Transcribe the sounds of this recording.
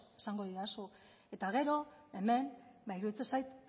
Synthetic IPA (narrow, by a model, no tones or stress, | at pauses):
esaŋɡo̞ðiðasu | e̞t̪aɣe̞ɾo̞e̞me̞nbajɾuit͡sesajt̪